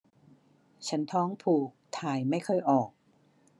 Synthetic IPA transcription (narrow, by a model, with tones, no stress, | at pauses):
t͡ɕʰa˦˥nt̪ʰɔː˦˥ŋpʰuː˨˩k̚t̪ʰaː˨˩jma˥˩jkʰɔ˥˩jʔɔː˨˩k̚